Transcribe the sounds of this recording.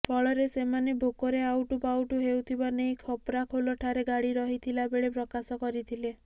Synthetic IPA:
pʰɔɭɔɾesemanebʱokɔɾeawʈupawʈuɦewt̪ʰibaneikʰɔpɾakʰolɔʈʰaɾeɡaɽiɾɔɦit̪ʰilabeɭepɾɔkasɔkɔɾit̪ʰile

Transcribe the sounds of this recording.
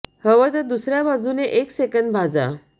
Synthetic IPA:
həʋət̪əd̪usɾjabad͡zuneʔeksekəɳɖbʱad͡za̰

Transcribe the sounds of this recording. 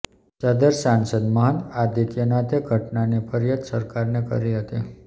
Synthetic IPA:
t͡ʃəd̪əɾsansəd̪məɦə̃nd̪ad̪ikjənat̪ʰeɡʱəʈnanipʰəɾjat̪səɾkaɾnekə̰ɾiɦət̪i

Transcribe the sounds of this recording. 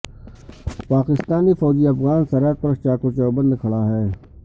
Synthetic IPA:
paːkɪst̪aːnifɔːd͡ʒiɐfɣaːnsɐɾət̪̚pɐɾt͡ʃaːkot͡ʃəbə̃nd̪kʰɐɭaɦɛː

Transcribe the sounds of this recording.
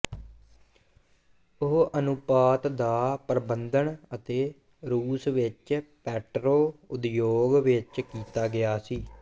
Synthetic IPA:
ʊɦʔənʊpaːt̪d̪aːpɾəbənd̪əɳət̪eː | ɾuːsʋɪt͡ʃpɛːʈɾoːʊd̪joːɡʋɪt͡ʃkiːt̪aːɡɪjaːsiː

